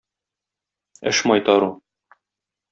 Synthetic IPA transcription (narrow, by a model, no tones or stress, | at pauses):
ɘ̰ʃmɒjt̪ɑɾu